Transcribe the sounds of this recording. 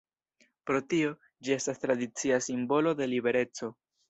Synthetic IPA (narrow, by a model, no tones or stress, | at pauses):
pɾo̞tio̞ | d͡ʒie̞stast̪ɾad̪it͡siasimbo̞lo̞d̪e̞libe̞ɾe̞t͡so̞